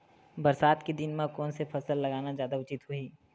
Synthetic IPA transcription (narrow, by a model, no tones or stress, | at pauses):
bɐɾsaːt̪kid̪ɪnmẽkɔːnsepʰɐsəlːɐɡaːnazjaːd̪aʊt͡ʃɪt̪hʊiː